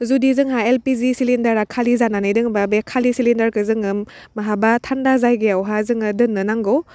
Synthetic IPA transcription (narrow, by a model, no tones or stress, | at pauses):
zudizɯŋɦaelpizisilendɐɾakʰalizananajdɯŋbabekʰalisilendɐɾkɯzɯŋɯmː | aɦabatʰandazajɡeawɦazɯŋɯdɯnːɯnaŋɡo